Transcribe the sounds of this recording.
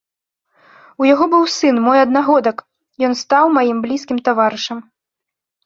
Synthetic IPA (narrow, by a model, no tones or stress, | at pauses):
ujaɣɔbɨwsɨnmɔjɐd̪naɣɔd̪ɐk | jɔnst̪awmajimblʲiskʲimt̪avaɾɨʂɐm